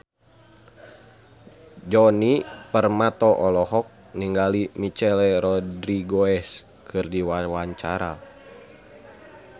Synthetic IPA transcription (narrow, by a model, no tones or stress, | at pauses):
d͡ʒɔnipərmat̪ɔʔɔlɔhɔk̚ | niŋɡalimit͡ʃɛlɛɾɔdɾiɡoɛs | kʰɨrdiwawaɲt͡ʃaɾa̰